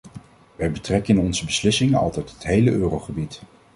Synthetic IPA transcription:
ʋɛjbətrɛkəɪnɔnzəbəslɪsɪŋənɑ̰lˠtɛjtɦətɦejləʔøːrowχəbit

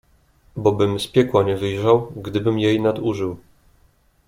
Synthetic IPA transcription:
bɔbɘmspʲjɛkwaɲɛvɘjʐawɡd̪ɘbɘmjejnad̪uʐɘw

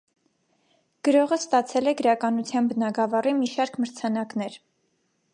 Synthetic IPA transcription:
ɡ̥əɾɔʁəst̪ɑt͡sʰɛlɛɡəɾɑkɑnut͡sʰjɑnbənɑɡɑvɑrimiʃɑɾkʰməɾt͡sʰɑnɑknɛɾ

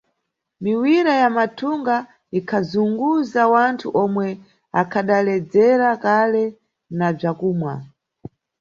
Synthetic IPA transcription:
miwiɾajamatʰuŋɡa | ikʰazuŋɡuzawantʰuʔɔmwɛ | akʰaɗalɛd͡zɛɾakalɛ | nab͡ʐakuːmwa

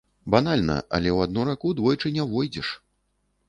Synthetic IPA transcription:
banalʲnɐ̰ʔɐ̰lʲɛwad̪̚nuɾakud̪vɔjt͡ʂɨnʲɛvɔjd͡zʲɛʂ

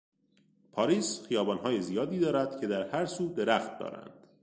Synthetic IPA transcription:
pʰɒːɾiːsχijɒːbɒːnɦɒːjezijɒːd̪iːd̪ɒːɾæd̪̥cʰe̞d̪æɾhæɾsuːd̪e̞ɾæxt̪̚d̪ɒ̰ːɾæ̰nd̪̥

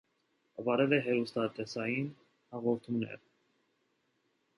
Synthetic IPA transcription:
vɑɾɛlɛɦɛɾust̪ɑt̪ɛsɑjin | hɑʁɔɾt̪ʰumnɛ̰ɾ

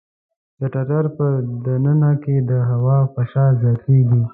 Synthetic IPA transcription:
d̪əʈaʈaɾpəd̪anənaked̪əɦawɑpaʃɑzjɑt̪eɡi

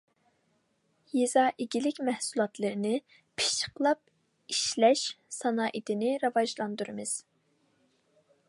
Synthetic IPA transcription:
jezɑʔiɡʲilɪkʲmɛhsulˠɑt̪ʰlˠɨɾɨnɨ | pʰi̥t͡ʃʰə̥qlˠɑp̚ | iʃlɛʃsɑnɑːʔit̪ɪnɪɾɑvɑʒlˠɑnd̪uɾɨmɨz̥

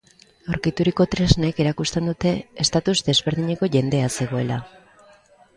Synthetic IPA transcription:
awɾkit̪uɾiko̞t̪ɾe̞zneke̞ɾakust̪e̞nd̪ut̪e̞ːst̪at̪uzd̪e̞zβe̞ɾðiɲe̞ko̞ʝe̞nd̪e̞ase̞ɣ̞o̞e̞la

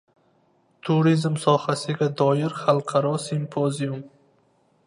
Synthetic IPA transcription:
t̪ʰuɾizmsɒhasɪɡʲad̪ɒjɪɾχalˠqʰɑɾɒsimpʰozijum

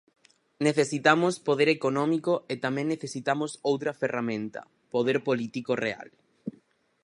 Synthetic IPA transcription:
neθesit̪amospoðeɾekonɔ̃mikoet̪amẽŋneθesit̪amosowt̪ɾɐferamẽnt̪ɐ̰ | poð̞eɾpolit̪ikorea̰l

